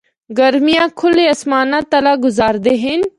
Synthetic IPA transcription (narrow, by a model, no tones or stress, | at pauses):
ɡɐɾmijãːkʰʊleɐsmaːnãːt̪ɐlaːɡʊzaːɾd̪eɦɪn